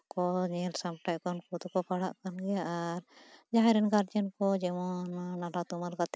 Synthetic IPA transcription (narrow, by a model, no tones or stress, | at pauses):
kɔɲɛlsamʈajkɔnkʰud̪kɔpaɽaʔkanɡɛjaʔaɾd͡ʒaɦaɾɛnɡaɾd͡ʒankɔd͡ʒɛmɔnnaɖat̪umaɾɡat̪